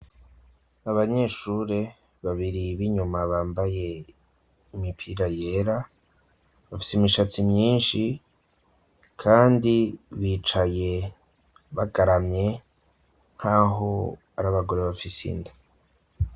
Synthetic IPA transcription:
aβaɲe̞ːʃuɾe | βaβiɾiβiɲumaβaːmbaje̞ | imipʰiɾaje̞ɾa | βafi̥simiʃat͡simɲiːnʃi | kʰaːndiβiːt͡ʃaje̞ | βaɡaɾamɲe̞ | ŋ̥haːɦo̞ | aɾaβaɡo̞ɾe̞βafisḭnda

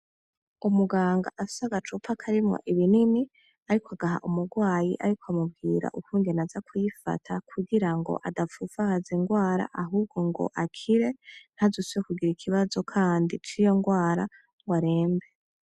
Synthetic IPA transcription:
umuɡaːŋɡa̰ʔasaɡat͡ʃupʰakʰaɾimŋo̰ʔiβinini | aɾikoaɡaɦa̰ʔumuɡwaːjḭʔa̰ɾikwamub̚ɡiːɾa̰ʔukuːndenazakʰujifa̰tʰakʰuɡiɾaŋɡo̞̰ʔadavuvahaziŋɡwaːɾa̰ʔaɦuːb̚ɡo̞ŋɡo̞̰ʔakʰiɾe̞n̥hazusujekuɡiɾikʰiβazo̞kʰaːndit͡ʃijo̞ŋɡwaːɾa | ŋɡwaɾe̞ːmbe

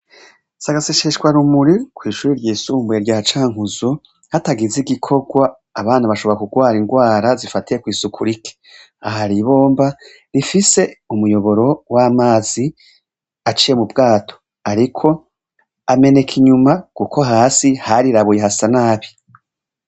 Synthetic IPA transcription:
saɡaseʃeʃkwaɾumuɾikwiːʃuːɾiɾɟiːsuːmbueɾɟaːhat͡ʃaːŋuzo | hataɡiziɡikʰo̞ɡwaː | βaːnaβaʃoβo̞ɾakuɡwaːɾiŋɡwaːɾazifatije̞kwiːsukʰuɾike̥ | aɦaɾiβo̞ːmba | ɾifise̞umujo̞βo̞ɾo̞wamaːzi | at͡ʃije̞mubɡaːtʰo̥ | aɾikʰo̞ | ame̞ne̞kʰiɲumakuko̞ɦaːsihaɾiɾaβujeɦasanaːβi

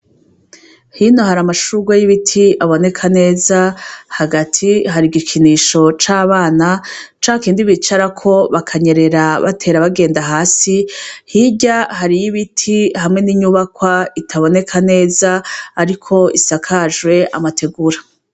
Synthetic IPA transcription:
hino̞haɾamaʃuɡwajiβitʰiʔaβo̞ne̞kʰane̞ːzahaɡatʰiɦaɾiɡikʰiniʃo̞t͡ʃaːβaːnat͡ʃaːkiːndiβit͡ʃaɾakʰo̞βakʰaɲe̞ɾe̞ɾaβa̰tʰe̞ːɾaβaɡe̞ːndaɦaːsihiɟahaɾijiβitʰihamŋe̞niɲuːβakwaitʰaβo̞ne̞kʰane̞ːzaːɾikʰo̞isakʰaʒwe̞a̰matʰe̞ɡuɾa

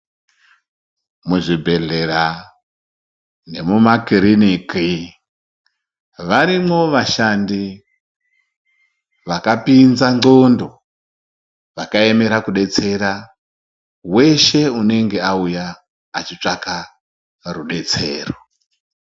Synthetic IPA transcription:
muʐibʱe̞ɮe̞ra | ne̞mumakiriniki | ʋaɾimo̞ʋaʃandi | ʋakapinzaŋ͡ǀo̞ndo̞ | ʋakae̞me̞ɾakuɗe̞t͡se̞ɾa | we̞ʃe̞une̞ŋɡeaujaː | t͡ʃit͡ʂaka | ruɗe̞t͡se̞̰ːro

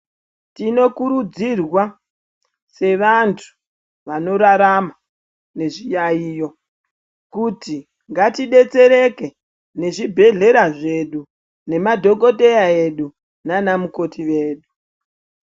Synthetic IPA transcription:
tino̞kuɾud͡zirwa | se̞ʋantʰu̥ | ʋano̞ɾaɾama | ne̞ʐijaiːjo̞ | kuti | ŋɡatiɗe̞t͡se̞ɾe̞ke̞ | ne̞ʐibʱe̞ɮe̞ɾaʐe̞ɗu | ne̞madʱo̞ko̞te̞jaeɗu | nanamuko̞tiʋe̞ːɗu

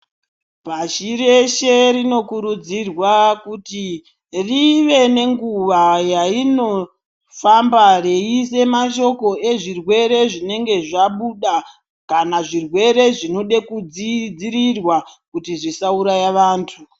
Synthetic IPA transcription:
paʃiɾe̞ʃe̞rino̞kuɾud͡zirwakuti | riʋe̞ne̞ŋɡuʋajaino̞ | fambare̞ise̞maʃo̞ko̞e̞ʐirwe̞ɾe̞ʐine̞ŋɡe̞ʐaɓuɗa | kanaʐirwe̞ɾe̞ʐinoɗe̞kud͡zid͡ziɾirwakutiʐisauɾajaʋaːntʰu

